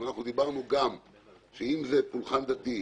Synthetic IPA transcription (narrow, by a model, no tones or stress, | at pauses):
anaχnud̪ibaʁnuɡam | ʃeimzepulχand̪at̪i